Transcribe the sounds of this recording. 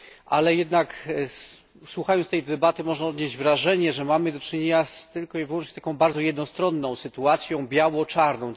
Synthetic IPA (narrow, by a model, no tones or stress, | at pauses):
ʔalɛjɛd̪nak | swuxajɔnst̪ɛjd̪ɛbat̪ɘmɔʐnaɔd̪ɲeʑd͡ʑvɾaʐɛɲɛʐɛmamɘd̪ɔt͡ʂɘɲeɲast̪ɘlkɔivwɔ̃nt͡ʂɲɛt̪akɔ̃w̃baɾd̪zɔjɛd̪nɔst̪ɾɔnːɔ̃w̃sɘt̪uat̪sʲjɔ̃w̃bʲjawɔt͡ʂaɾnɔ̃w̃